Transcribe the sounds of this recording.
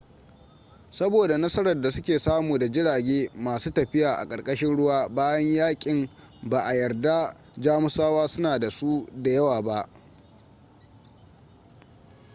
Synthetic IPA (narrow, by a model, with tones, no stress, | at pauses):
sɐ˦boː˨da˨nɐ˦sɐ˦ɾɐ˨rda˨sʊ˦kʲeː˨saː˦muː˨da˨d͡ʒɪ˦ɽaː˨ɡʲeː˦maː˨suː˦tɐ˨ɸɪ˦jaː˨ʔa̰˨kʼɐ˨ɽkʼɐ˦ʃɪ˦nɽʊ˦waː˦baː˦jɐ˦ɲjaː˦kʲʼɪ˨m | baː˨ʔa˨jɐ˨rda˦ | d͡ʒaː˦mʊ˦saː˦waː˦sʊ˦naː˨da˨su˦da˨jɐ˦waː˨ba˦ʔ